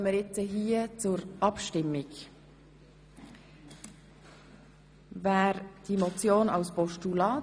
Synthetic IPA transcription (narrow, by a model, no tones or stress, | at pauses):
miɾjɛt͡səɦiːt͡sʊɾʔɑpʃtɪmːɪɡ | vaːɾd̥iːmot͡sjoːna̰ʊsb̥ɔʃtulɑː